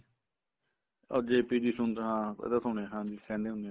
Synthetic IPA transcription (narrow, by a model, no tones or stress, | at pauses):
ɔːɾd͡ʒeːpiːd̪iːsʊnt̪ːɦãːpɛ̰ːd̪aːsoːɽeːɦãːd̪iːkɛ̃ːnd̪eːɦʊnd̪e